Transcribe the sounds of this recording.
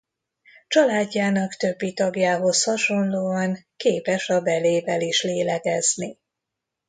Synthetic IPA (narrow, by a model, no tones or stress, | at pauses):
t͡ʃɒlaːɟːaːnɒkt̪øbːit̪ɒɡjaːɦo̞shɒʃo̞nloːɒŋkeːpɛʃɒbɛleːvɛliʃleːlɛɡɛzni